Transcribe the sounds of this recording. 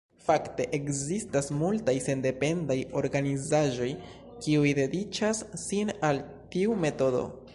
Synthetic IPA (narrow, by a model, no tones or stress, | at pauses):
fakte̞ʔekzistasmultajse̞nde̞pe̞ndajo̞ɾɡanizaʒo̞j | kiujde̞dit͡ʃasːinal | tiume̞to̞do̞̰